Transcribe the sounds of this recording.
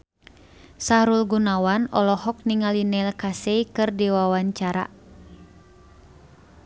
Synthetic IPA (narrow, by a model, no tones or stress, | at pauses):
sahɾulɡunawanɔlɔhɔk̚niŋalinɛlkasɛikɨrdiwawaɲt͡ʃaɾa̰